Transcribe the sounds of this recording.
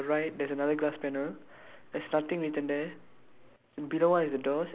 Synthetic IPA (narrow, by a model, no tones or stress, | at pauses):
ɹajt̚dɛsənadəɡlaspɛnəl | dɛsnat̪ĩŋɹitə̃nd̪ɛ | biloɔ̃nɛsdədɔs